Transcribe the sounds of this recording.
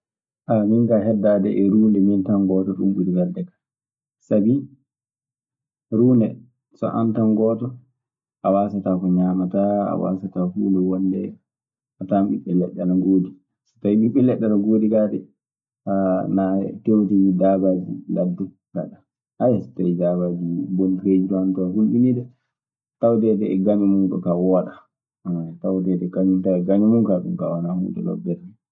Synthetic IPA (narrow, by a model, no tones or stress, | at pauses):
ʔamiŋkaɦɛdːadɛʔɛɾuːndɛmintaŋɡɔːtɔɗumɓuɾibɛɾdɛkḁ | sabi | ɾuːndɛ | sɔ̰ʔa̰ntanɡɔːtɔ | ʔawaːsatakɔɲaːmataa̰wa̰satakuːndɛwɔndɛ | atamɓiɓːɛlɛɗːɛnaɡoːdi | si̥tajiɓiɓɛlɛɗːɛnaɡoːdikadɛ | anatewtiidabad͡ʒilʔadːu | ɡa̰ɗa | ajasi̥tːaidabad͡ʒibɔntɾed͡ʒitɔhantɔaɡulɓinidɛ | tawtɛdɛɛɡaɲumunɗɔ̰kawɔaɗa | amajatawt̬ɛdɛkaɲuntaɛɡaɲɔmunkaɗṵmkawanahṵntɛ̰lɔ̰dɛɾɛ